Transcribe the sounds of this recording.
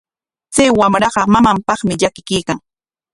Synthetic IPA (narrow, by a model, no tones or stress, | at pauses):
t͡sajwamɾɑɢɑmamampɑχmɪʎakɪkiːkaŋ